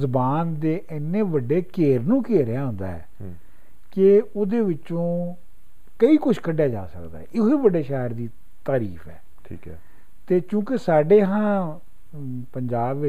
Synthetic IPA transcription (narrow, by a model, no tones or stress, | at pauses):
zʊbaːnd̪eːʔɪnːẽːʋəɖeːkeːɾnũːkeːɾɪjaːɦʊ̃nd̪a̰ːɛ̰ː | kɪʊd̪eːʋɪt͡ʃõː | kəiːkʊʃʰkəɖjaːd͡ʒa̰ːsəkd̪a̰ːɛɪkiːʋəɖeːʃaːəɾd̪iː | t̪aːɾiːfɛ̰ː | ʈʰḭːkː | t̪eːkjũːkɪsaːɖeːɦãː | pəɲd͡ʒaːbʋɪ